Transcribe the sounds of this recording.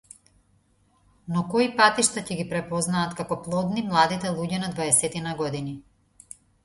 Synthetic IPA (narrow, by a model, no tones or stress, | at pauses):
nɔkɔipat̪iʃt̪acɛɡipɾɛpɔznaːt̪kakɔplˠɔd̪nimlˠad̪it̪ɛlˠuɟɛnad̪vaɛsɛt̪inaɡɔd̪ini